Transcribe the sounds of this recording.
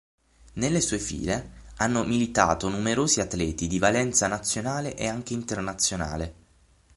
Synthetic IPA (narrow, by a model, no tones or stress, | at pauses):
nelːesuːefḭːleanːomilit̪a̰ːt̪onumeɾoːziat̪ːlɛːt̪id̪ivalɛnt̪sanat̪sːjonaːleʔeaŋk̟eint̪ernat̪sːjona̰ːle